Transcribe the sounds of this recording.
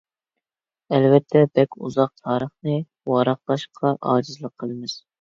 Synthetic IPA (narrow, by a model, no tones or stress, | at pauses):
ɛlvɛt̪ʰːɛbɛkʲuzɑq̚t̪ʰɑːɾəχnɨ | wɑɾɑχlˠɑʃqʰɑʔɑːd͡ʒɨzlˠəqʰːəlˠɨmɨz̥